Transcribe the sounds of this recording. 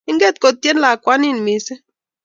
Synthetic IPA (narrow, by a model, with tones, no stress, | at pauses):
i˦ŋɡɛ˦˨t̪̚ko˨t̪ːje˦nla˨kwa˦ni˦˨n˨mi˨sɛ˦